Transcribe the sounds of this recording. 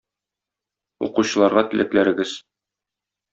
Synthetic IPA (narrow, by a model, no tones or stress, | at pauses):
ṵquɕɤ̆lˠɑɾʁɑt̪ɘ̆lɘ̆klæɾɘ̆ɡɘz̥